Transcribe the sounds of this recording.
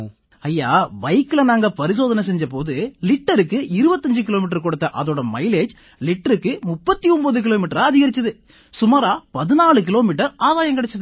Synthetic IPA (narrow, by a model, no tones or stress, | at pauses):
ɐjːa̰ːʋɐɪkːɪlɐnaːŋɡɐpɐɾɪs̬oːðɐnɐsɛɲd͡ʒɐpoːðɯlɪʈːɐɾɯkːɯɪɾɯbɐt̪ːɐɲd͡ʒɯkɪloːmiːʈ̬ːɐɾkɔɽɯt̪ːɐʔɐðoːɽɐmɐɪleːd͡ʒ | lɪʈːɐɾɯkːɯmʊpːɐt̪ːiɔmbɐðɯk̬ɪloːmiːʈːɐɾɐɐðɪɣɐɾɪt͡ʃːɐðɯ | sʊmaːɾaːpɐðɪnaːɭɯk̬ɪloːmiːʈːɐɾʔaːðaːjɐŋkɪɽɐt͡ʃːɐðɯ